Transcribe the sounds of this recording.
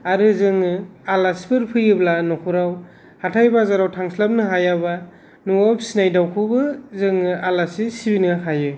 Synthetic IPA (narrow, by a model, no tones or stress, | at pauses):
aɾɯzɯŋɯalasbɯɾpʰɯjɯblanɔkʰuɾaw | hatʰajbazaɾawtʰaŋslap̚nɯɦajaβa | nuapsinajdawkʰɯbɯzɯŋːɯalasisibinɯakʰajɯ